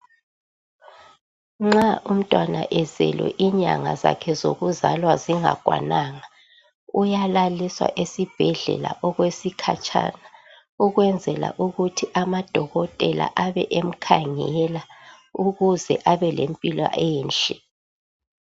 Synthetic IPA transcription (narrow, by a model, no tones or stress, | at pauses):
ŋ͡ǁaʔum̩tʼwana̰ʔɛzɛ̰lwɛ̰ʔiɲa̰ŋa̰zakʰɛzo̰ɣuzalwaziŋa̰ɡ̥ʱwa̰naŋa | ujalaliswa̰ʔesib̥ʱɛɮɛ̰la̰ʔɔɣwesikʰat͡ʃʼa̰ːna | uɣwɛnd͡zʱɛla̰ʔuɣutʰiʔamad̥ʱɔɣɔtʼɛla̰ʔaβɛ̰ʔem̩kʰaŋɛla | uɣuzɛʔaβɛlempʼilɔ̰ʔɛːnt͡ʃʼɛ